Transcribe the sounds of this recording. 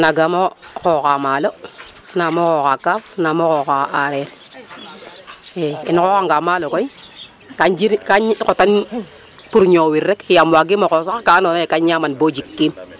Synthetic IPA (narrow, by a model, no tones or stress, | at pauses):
naɡamokɔkamaːlɔ | namokɔkakafnamokɔkaaɾɛɾ | ɛḭnkɔkaŋɡamalokɔi | kad͡ʒiɾkakotan | puɾɲowiɾːɛkjamwaɡimokosaakanɔnekaɲɲamanbod͡ʒikːim